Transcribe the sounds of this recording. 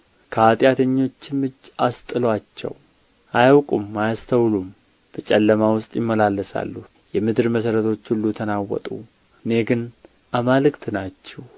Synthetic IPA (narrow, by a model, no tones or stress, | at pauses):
kʰəat̪ʼjat̪ʰəɲːo̞t͡ʃːɪmɨd͡ʒast̪ʼɨlwat͡ʃːɛ̰w | ʔajawkʼumːajast̪ʰəwlum | b̥ət͡ʃʼɛlːəmawʊst̪ʼjɪmːəlalːəsa̰lːuh | jɛmɨd̪ɨɾməsəɾət̪ʰo̞t͡ʃːhulːut̪ʰənawɔ̰t̪ʼṵ | ɨne̞ɡɨn | ʔamalɨkt̪ʰnat͡ʃːɛw